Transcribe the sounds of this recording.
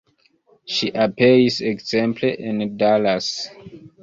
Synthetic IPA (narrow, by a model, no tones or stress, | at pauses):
ʃiʔapeisekzẽmpliʔĩndalas